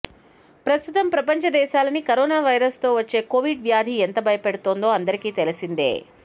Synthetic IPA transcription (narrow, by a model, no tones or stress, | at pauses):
pɾɐst̪ut̪ɐmpɾɐpɐɲt͡ʃɐd̪ɛːʃaːlɐnikɐɾɔːnaːʋɐjɾɐst̪o̞ːʋɐt͡ʃːe̞ːkoːʋiɖʋjaːd̪ʱiɛnt̪ɐbʱɐjɐpeɽut̪oːnd̪o̞ːɐnd̪ɐɾikiːt̪e̞lisind̪ḛː